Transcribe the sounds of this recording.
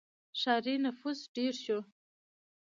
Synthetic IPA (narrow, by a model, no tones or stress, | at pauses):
ʂaːɾinafusɖerʃo